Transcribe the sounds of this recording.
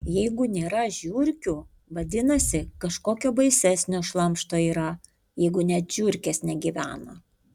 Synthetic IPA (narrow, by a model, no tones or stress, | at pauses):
jɛɪɡʊnʲeːɾɐʒʲuːɾʲkʲu | ʋɐd̪ʲɪnɐsʲɪkɐʃkoːkʲoːbɐɪsʲɛsʲnʲoːʃlˠɐmʃt̪oːiːɾɐ | jɛɪɡʊnʲɛt̪ʒ̥ʲuːɾʲkʲeːsnʲɛɡʲiʋʲæːnɐ